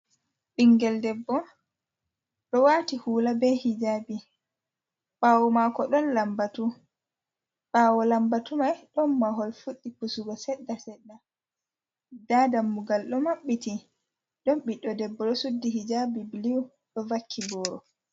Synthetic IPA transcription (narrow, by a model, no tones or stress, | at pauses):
ɓiŋɡɛldɛbːɔ | ɗɔwatihuːlabɛhid͡ʒabi | ɓaːwumakɔɗɔnlambatu | ɓaːwɔlambatumajɗɔnːaɦɔlfuɗːipusuɡɔsɛɗːasɛɗːa | daːdamːuɡalɗɔmaɓːiti | ɗɔnɓiɗɔdɛbːɔɗɔsudːiɦid͡ʒabibiliw | ɗɔvakʰːibɔːɾɔ